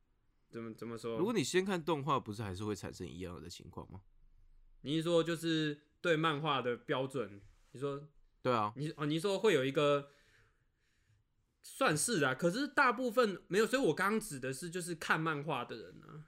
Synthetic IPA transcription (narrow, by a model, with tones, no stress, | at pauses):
t͡sə˨˦mə˨t͡sə˨˦mə˨˧ʂwɔ˦ɻu˧˥kwɔ˨˦ni˨˩ɕjɛ˦nkʰa˥˨nt̪ɔ˥˧ŋxwa˥˨pu˧˥ʂɻ̩˥˩xa˧˥ɪʂɻ̩˥˧xwe˥˩ɪʈ͡ʂʰa˨˩nʂə̰˦ŋḭ˧˦jɑ̰˥˩ŋə̰˨˩d̪ə˦t͡ɕʰḭ˧˦ŋkʰwɑ̰˥˨˩ŋma˩ | ni˨˦ʂ̬wɔ˦t͡ɕjo˥˧ʊʂɻ̩˥˧ | t̪we˥˧ɪma˥˧nxwa˥˩d̪ə˩pjɑ˥ʊʈ͡ʂwə˨˩nni˨˩ʂ̬wɔ˦˥ | t̪we˥˩ɪɐ˨˩ni˨˩ɔ˨˩ni˨˩ʂ̬wɔ˦xwe˥ɪjo˨˩ʊi˦˥ɡə˧ | swa˥˧nʂɻ̩˥˩d̪ɐ˨˩kʰɤ˨˩ʂ̬ɻ̩˥˩˧t̪a˥˧pu˥˧fə˨nme˧˥ɪjs̬ɔ˥i˨wɔ˨˩kɑ˥˦ŋɑ˥ŋʈ͡ʂɻ̩˨˩d̪ə˨ʂɻ̩˥˧t͡ɕjo˥˧ʊʂ̬ɻ̩˥˧kʰa˥˧nma˥˧nxwa˥˩d̪ə˩ɻə̰˨˧˦nə̰˨